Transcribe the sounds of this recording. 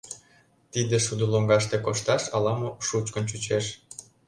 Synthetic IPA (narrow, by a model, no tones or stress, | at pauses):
t̪id̪eʃud̪uloŋɡɑʃt̪ekoʃt̪ɑʃɑlɑmoʃut͡ɕkə̆nt͡ɕut͡ɕeʃ